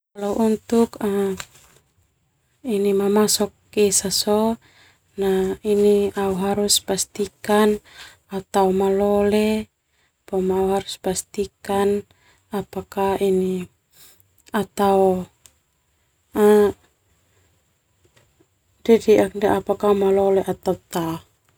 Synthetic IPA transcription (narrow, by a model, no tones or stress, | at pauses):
kalauʔunt̪uka | inimamasɔk | isasɔ | nahiniauɦaɾuspast̪ikan | at̪aumalɔlɛ | pamauɦaɾuspast̪ikan | apakaini | at̪au | a | d͡ʒadiakdaʔapakamalɔlɛʔat̪aut̪a